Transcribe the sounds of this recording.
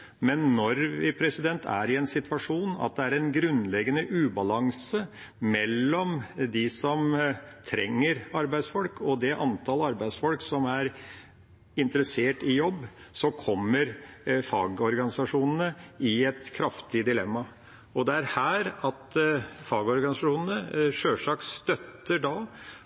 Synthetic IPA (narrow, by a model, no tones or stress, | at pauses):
mɛnːɔɾʋɪpʰɾɛsɪd̪ɛnt̪ʰæ̰ɾɪɛnsɪt̪ʋɑʂuːnɑ̰t̪̚d̪ɛæɾɛnɡɾʉnlɛɡːənəʔʉːbɑlɑŋsə | mɛlːɔmd̪ɪsɔmt̪ʰɾɛ̰ŋːəɾɑɾbæɪd̪sfɔlkɔd̪ɛʔɑnt̪ʰɑlɑɾbæɪd̪sfɔlksɔmæɾ | ɪnt̪əɾəseːʈɪjɔbː | sɔkʰɔmːəɾfɑ̰ːɡɔɾɡɑnɪsɑʂuːnənəɪɛt̪kʰɾɑft̪ɪd̪ɪlɛmːɑ | ɔd̪ɛæɾhæːɾɑt̪fɑːɡɔɾɡɑnɪsɑʂuːnən̩əʂøːʂɑːkst̪œt̪ːəɖɑ